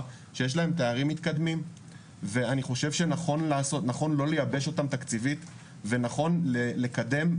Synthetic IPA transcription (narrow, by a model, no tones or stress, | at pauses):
ʃe̞jeʃ̬lae̞mt̪e̞aʁimːit̪kad̪mim | ve̞aniχo̞ʃe̞vʃenaχo̞nlaːso̞t̪naχo̞nlo̞le̞jabe̞ʃo̞tamt̪akt͡sivit̪ | venaχo̞nlele̞kad̪e̞m